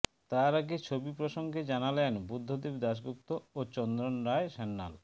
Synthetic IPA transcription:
t̪aɾaɡet͡ɕʰobipɾoʃoŋɡed͡ʑanalenbud̪ʱːod̪ibd̪aʃɡuk̚t̪oot͡ɕɔnd̪ɾonɾaeʃɛnːa̰l

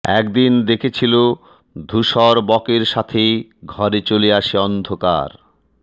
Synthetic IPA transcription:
ɛ̰kd̪ind̪ekʰet͡ɕʰilo | d̪ʱuʃɔɾbɔkeɾʃat̪ʰeɡʱɔɾet͡ɕoliaʃeɔnd̪ʱoka̰ɾ

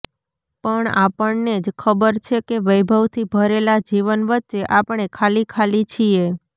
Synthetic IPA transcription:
pəɳa̰pəɳned͡ʒkʰəbəɾt͡ʃʰekeʋəjbʱəʋt̪ʰibʱəɾelad͡ʒiʋənʋətːʃeʔapəɳ̃ekʰalikʰalit͡ʃʰie

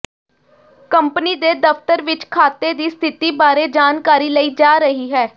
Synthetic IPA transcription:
kəmpniːd̪eːd̪əft̪əɾʋɪt͡ʃkʰaːt̪eːd̪iːst̪ʰɪt̪iːbaːɾeːd͡ʒaːnkaːɾiːləiːd͡ʒaːɾəɦiːɦɛː

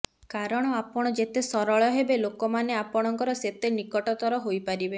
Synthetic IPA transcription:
kaɾɔɽ̃ɔapɔɽ̃ɔd͡ʒet̪esɔɾɔɭjɔɦebelokɔmaneapɔɽ̃ɔŋkɔɾɔset̪enikɔʈɔt̪ɔɾɔɦojpaɾibe

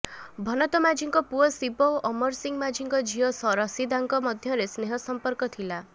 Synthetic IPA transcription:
bʱɔnɔt̪ɔmad͡ʒiŋkɔpuɔsipɔɔmɔɾsiŋmad͡ʒʱiŋkɔd͡ʒiɔsɔɾɔsid̪aŋkɔmɔd̪ʱjɔɾesneɦɔsɔmpɔɾkɔt̪ʰila

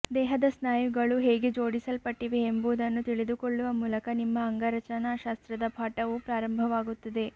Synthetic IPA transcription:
d̪ɛːɦɐd̪ɐsnaːjuɡɐɭuɦeːɡed͡ʒoːɽisɐlpɐʈːiʋe̞ːmbud̪ɐnːut̪iɭid̪ukoɭːuʋɐmuːlɐkɐnimːɐːŋɡɐɾɐt͡ʃɐnaːʃaːst̪ɾɐd̪ɐpʰaːʈɐʋupɾaːɾɐmbʱɐʋaːɡut̪ːɐd̪e̞

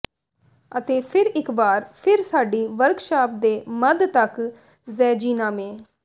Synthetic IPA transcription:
ət̪eːpʰɪɾɪkbaːɾpʰɪɾsaːɖiːʋəɾɡʃaːp̚d̪eːməd̪t̪ək | zɛːd͡ʒiːnãːmẽː

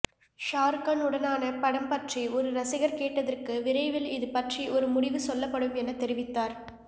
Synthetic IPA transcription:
ʃaːɾkɐnɯɽɐnaːnɐpɐɽɐmpɐʈriʔɔɾɯɾɐsɪɣɐɾkeːʈːɐðɐrkɯʋɪɾɐɪʋɪlɪðɯpɐʈriʔɔɾɯmʊɽɪʋɯsɔlːɐpːɐɽɯmɛnɐt̪ːɛɾɪʋɪt̪ːaːɾ

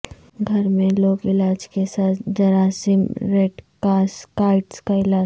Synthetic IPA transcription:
ɡʱɐɾmẽloːɡɪlaːd͡ʒkesaːt̪ʰd͡ʒɐɾaːsimɾeːɖkaːskaːɪʈskaɪlaː

